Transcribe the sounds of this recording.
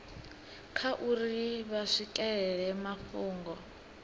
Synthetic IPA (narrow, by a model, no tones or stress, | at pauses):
kʰaʔuriβaʂikʼɛɺɛmaɸuːŋɡɔ